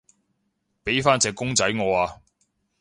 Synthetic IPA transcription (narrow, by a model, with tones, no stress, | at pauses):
pe˨˥jfaː˥nt͡sɛː˧kːʊ˥ŋt͡sɐ˨˥jŋɔː˨˧aː˧